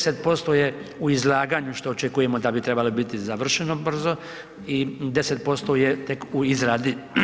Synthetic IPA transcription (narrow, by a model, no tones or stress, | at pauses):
set̪̚po̞st̪o̞jeuizlˠaːɡaːɲuʃt̪oːt͡ʃekuje̞mo̞d̪abit̪ɾe̞balobit̪izaʋr̩ʃeno̞br̩zo̞ | id̪e̞set̪̚po̞st̪o̞jet̪e̞kuizɾaːd̪i